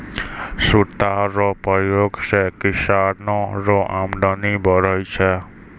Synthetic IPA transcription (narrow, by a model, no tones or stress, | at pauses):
suɾt̪aɾɔpɔjoɡsekisaɾnɔɾɔʔamɖɔnibʱʌɾɔjt͡ʃʰʌ